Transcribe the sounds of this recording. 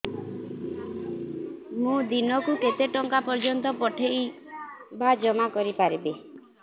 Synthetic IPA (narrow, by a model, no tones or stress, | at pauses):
mũd̪inɔkuket̪eʈɔŋkapɔɾd͡ʒɔnt̪ɔpɔʈʰej | bad͡ʒɔmakɔɾipaɾibe